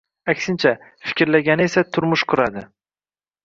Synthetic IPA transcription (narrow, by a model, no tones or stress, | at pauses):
akʲsɪnt͡ʃʰa | fɪ̥kʲɪɾlaɡʲanɪe̞sat̪ʰʊɾmʊʃqʰʊɾad̪ɪ